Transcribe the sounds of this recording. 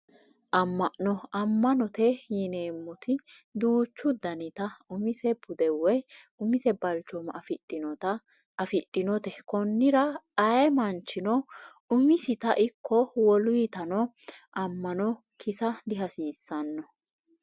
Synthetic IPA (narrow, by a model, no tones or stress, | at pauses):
ʔɐmːɐʔnɔɐmːɐnɔt̪ɛjɪneːmːɔt̪ʰɪ | d̪uːt͡ʃːʊd̪ɐnɪt̪ɐʊmɪsɛbʊd̪ɛwɛj | ʊmɪsɛbɐlt͡ʃːɔmɐfɪtʼːɪnɔt̪ɐ | fɪt̪ʼːɪnɔt̪ɛkɔnːɪɾɐɐjɛmɐnt͡ʃːɪnɔ | ʊmɪsɪt̪ɐʔɪkːɔwɔlʊjit̪ɐnɔ | ʔɐmːɐnɔ | kʰɪsɐd̪ɪɦɐsiːsːɐnːɔ